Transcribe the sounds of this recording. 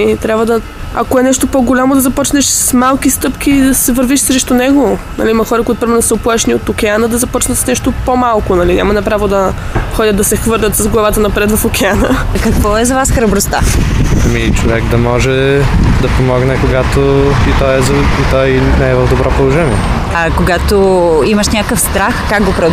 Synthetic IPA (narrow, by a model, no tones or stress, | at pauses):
t̪ɾʲabvəd̪ɐ | ɐ̰koɛnɛʃt̪opoɡolʲamod̪ɐzɐpɔt͡ʃnɛʃsmalˠk̟ist̪ɤpk̟iːd̪ɐsɛvəɾviʃsɾɛʃt̪ʊnɛɡonɐ̰liimɐxɔɾɐkoʊit̪ʊpɾimɛɾnosəoplˠaʃniot̪okʲɛanəd̪ɐzɐpɔt͡ʃnət̪snɛʃt̪opomalˠkonɐlinʲʔa̰mɐnɐpɾavod̪ɐxɔdʲət̪d̪ɐsɛxvɤɾlʲət̪sɐzɡlˠɐvat̪ənɐpɾɛt̪vɐfokʲɛanəkɐkvɔɛzɐvasxɾɐbɾʊst̪a̰ɐmit͡ʃovɛɡd̪ɐmɔʒɛd̪ɐpomɔɡnɛkoɡat̪oit̪ɔɛzɐit̪ɔjnɛɛvəvd̪obɾɔpolˠoʒɛniɛ | ɐkoɡat̪oiməʃnʲakəfst̪ɾaxkaɡ̚ɡopɾɐ